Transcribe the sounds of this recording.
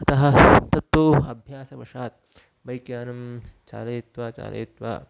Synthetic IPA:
ɐt̪ɐɦɐt̪ɐt̪ːʋoːɐbʱjaːsɐbɐʂaːt̪̚ | bɐjkjaːnɐmt͡ʃa̰ːleːt̪ʋaːt͡ʃa̰ːlʔḛːt̪ʋa̰ː

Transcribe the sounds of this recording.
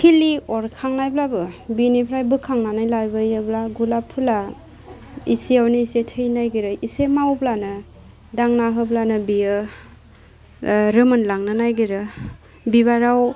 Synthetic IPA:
kʰiliɔɾkʰaŋnajblabɯbinipʰɾajbɯkʰaŋnanajlajbɯjɯblaɡulapʰula | isiawneisetʰɯjnajɡiɾɯisemawblanɯ | daŋnaɦɯblanɯbiɯ | ɾɯmɯnlaŋnɯnajɡiɾɯ | biβaɾaw

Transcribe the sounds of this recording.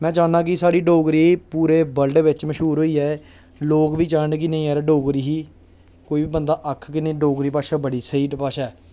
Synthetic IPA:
mɛ̃ːd͡ʒaːnãːk̬ɪsaːɽiːɖoːɡɾiːpuːɾeːbəlɖʋɪt͡ʃməʃuːɾɦoːiːɛː | loːkʋiːt͡ʃaːɳkɪnə̃ĩːɛːɾɖoːɡɾiːɦiː | koːiːʋiːbənd̪aːʔəkʰkɪnẽːɖoːɡɾiːpaːʃaːbəɽiːsiːʈpaːʃaː

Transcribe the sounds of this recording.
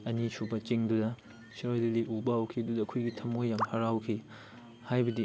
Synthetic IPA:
ɐnisʰubɐt͡ʃiŋdudɐ | siɾojliliʔubɐawkʰidudɐkʰujɡitʰɐmojːamhɐɾawkʰi | hajbɐdi

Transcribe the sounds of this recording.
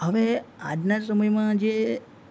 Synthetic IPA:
ɦəʋead͡ʒnas̬əməjmãd͡ʒe

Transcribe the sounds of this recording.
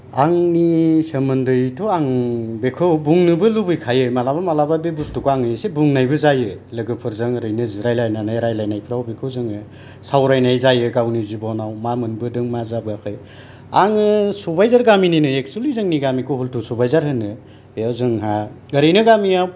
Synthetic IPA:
aŋnisəmɯndɯjtʰoaŋbekʰɯwbuŋnɯbɯlubɯjkʰajɯmalabamalababebustʰukʰoaŋɯjsebuŋnajbɯzajɯlɯɡɯpʰɯɾzɯŋɾɯjnɯziɾajlajnanajɾajlajnajpʰiɾawbekʰɯwzɯŋɯ | sawɾajnajzajɯɡawnizibɔnawmamɯnbɯdɯŋmazabɯakʰɯj | aŋɯsubajzaɾɡamininɯek̚sulizɯŋniɡamikʰɔhultʰusubajzaɾhɯnɯ | ejawzɯŋɦa | ɡəɾɯjnɯɡamiaw

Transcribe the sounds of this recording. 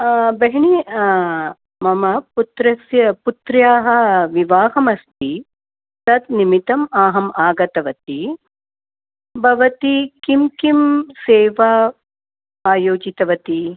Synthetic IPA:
bɐɦɳi | mɐmɐput̪ɾɐsjɐput̪ɾjaːɦɐ̆ʋiʋaːɦɐmɐst̪i | t̪ɐt̪nimit̪ɐmaːɦɐmaːɡɐt̪ɐʋɐt̪i | bʱɐʋɐt̪ikimkimseːʋa | aːjoːd͡ʒit̪ɐʋɐt̪i

